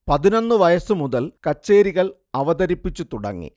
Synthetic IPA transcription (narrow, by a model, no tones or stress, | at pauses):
pɐðino̞nːɨʋɐjɐsɨmuðɐlkɐt͡ɕːe̞ːɾiɣɐɭ | ɐʋɐd̪ɐɾipːit͡ɕːut̪uɽɐ̰ŋːḭ